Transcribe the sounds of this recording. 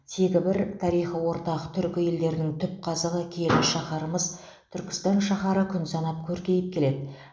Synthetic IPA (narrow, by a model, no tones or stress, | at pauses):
t̪ʰe̞ɡʲɪbɪɾt̪ʰɑɾijχəwo̞ɾt̪ɑʁət̪ʰʏɾkʲɪje̞ld̪e̞ɾd̪ɪŋt̪ʰʏp̚qʰɑzəʁəkʲʰe̞lʲɪʃɑχɑɾəməz | t̪ʰʏɾkʲɪ̥st̪ɑnʃɑχɑɾəkʲʰʏnsɑnɑp̚kʲʰɵɾkʲe̞jɪp̚kʲʰe̞le̞d̪ɪ